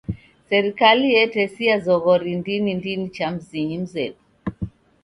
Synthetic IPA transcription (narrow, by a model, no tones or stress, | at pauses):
sɛɾikalijɛtɛsijazɔɣɔɾindinindinit͡ʃam̩ziɲim̩zɛpu̥